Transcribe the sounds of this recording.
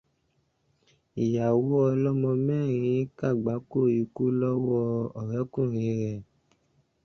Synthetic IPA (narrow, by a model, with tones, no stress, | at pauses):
i˨ja˨wo˦ɔ˧lɔ˦mɔ̃˧mɛ̃ː˦˨ɾ̃ĩĩ˧˦ka˦˨ɡ͡ba˨˦ko˦˨i˧ku˦lɔ˦wɔ˦ɔ˨ɾɛ˨˦kũ˦˨ɾĩ˨˦ɾɛ˨